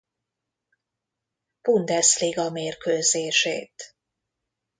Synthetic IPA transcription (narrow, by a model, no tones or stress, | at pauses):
b̥und̪ɛsliɡɒmeːrkøːzeːʃḛːt̪